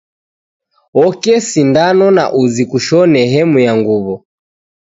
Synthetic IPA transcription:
ɔkɛsindanɔna̰ʔuzikuʃɔnɛɦɛmujaŋɡuβɔ

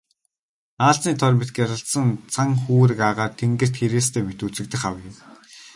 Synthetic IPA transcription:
aːɬt͡sniːt̪ʰɔrʲmet̪̚ɡjaɾə̆ɬt̪sə̆nt͡sʰaŋxuːɾɘ̆kaʁaːrt̪ʰeŋɡɘ̆r̥t̪xeɾeːst̪ʰeːmet̪ut͡sɘ̆k̚t̪ɘ̆xχaw̆jɪ̆w

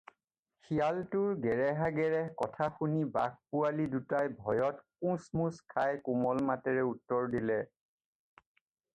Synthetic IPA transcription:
xijaltʊɹɡɛɹɛɦaɡɛɹɛkɔtʰaxuniba̰ɡ̚pualidutajbʱɔjɔtkũsmuskʰajkʊmɔlmatɛɹɛutːɔɹdilɛ

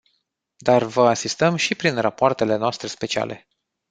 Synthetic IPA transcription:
d̪arvəasist̪əmʃipɾinrapoart̪e̞le̞noast̪ɾe̞spe̞t͡ʃia̰le̞̰

